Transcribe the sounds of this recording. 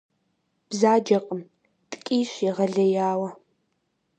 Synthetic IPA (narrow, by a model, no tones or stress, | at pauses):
b̥zaːd͡ʒɐqʼəm | tʼkʼiːɕɪʁɐɮɐjaːwɐ